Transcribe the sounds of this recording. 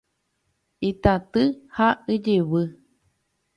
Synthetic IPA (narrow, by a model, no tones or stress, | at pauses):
it̪at̪ɨhaʔɨd͡ʒeβɨ